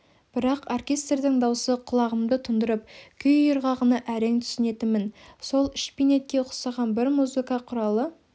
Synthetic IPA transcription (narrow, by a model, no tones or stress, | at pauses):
b̥ɪɾɑqorkʲe̞st̪rd̪ɪŋd̪ɑwsəqʰʊlˠɑʁəmd̪ət̪ʰʊnd̪əɾəp̚kʲʰʏjjəɾʁɑʁənɑʔæɾe̞ŋt̪ʰʏ̥sɪne̞t̪ɪnmːɪnso̞lˠɪʃpine̞t̪̚kʲe̞qʰsɑʁɑnbɪɾmuzɨkɑqʰʊɾɑlˠə